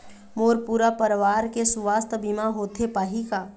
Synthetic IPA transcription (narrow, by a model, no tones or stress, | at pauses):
moːɾpuːɾapəɾʋaːɾkesʊʋaːst̪ʰbimaɦoːt̪ʰepaːɦikaː